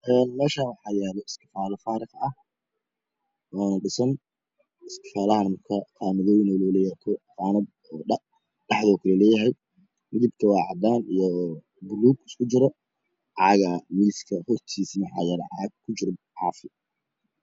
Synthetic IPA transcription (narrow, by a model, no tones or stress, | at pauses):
ʔɛːnmɛːʃaːwɑħɑːjɛːlɔɪskɪ̥faːlɐfaːɾɪqɐh | ʔɔːnɐɖɪsɐn | ɪskʰɪ̥faːlɐhɐnmɐrkʰɐqɑːmɐðɔːjɪnɔlɔːlɛjɛːt̪ʰɔfaːnɐd̪̚ | ɔː | ɖɑħðɔːkʰɐlɐlɛːjɐɦɛj | mɪðɪb̚k̪ʰɐwɑːʕɑd̪aːnijɔ | bʊluːɡɪskʰʊt͡ʃɪɾɔ | ʕɑɣɐmilskʰɐhʊrt̪ʰiːsimɑħɑ̰ːjɛːlɛʕɑʕɡ̚kʰʊt͡ʃɪɾʕɑːfɪ